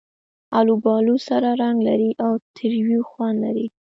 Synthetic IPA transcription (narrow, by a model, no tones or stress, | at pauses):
alubɑlusaɾaɾaŋɡlaɾiʔawt̪ʰɪɾwixwanlaɾi